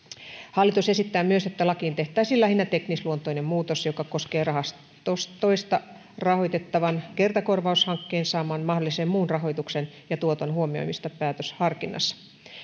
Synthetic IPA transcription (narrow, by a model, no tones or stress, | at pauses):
hɑlːit̪use̞sit̪ːæːmyøset̪ːælɑkiːnt̪e̞ht̪æːsilːæhinːæt̪eknisluont̪oinemmuːt̪osjokɑkoskeːrɑhɑst̪ | ost̪oist̪ɑ | rɑho̞jt̪et̪ːɑʋɑnkert̪ɑkorʋɑushɑŋkːeːnsɑːmɑːnmɑhdolˑisemmuːnrɑɦo̞jt̪uksen | jɑt̪uot̪onhuomio̰jmist̪ɑpæːt̪øshɑrkinːɑ̰sːɑ̥